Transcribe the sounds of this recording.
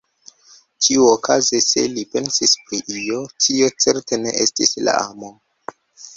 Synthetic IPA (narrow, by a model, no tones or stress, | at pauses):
t͡ʃiuokazese̞̰lipe̞nsispɾiʔio̞tʰio̞t͡se̞ɾte̞ne̞̰ʔestisla̰a̰mo̞